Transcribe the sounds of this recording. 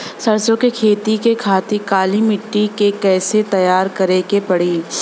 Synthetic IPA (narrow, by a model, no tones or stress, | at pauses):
sɐɾsõkekʰeːt̪ikekʰaːt̪ikaːlimɪʈːikekɛːset̪ɐjaːɾkɐɾekepɐɽiː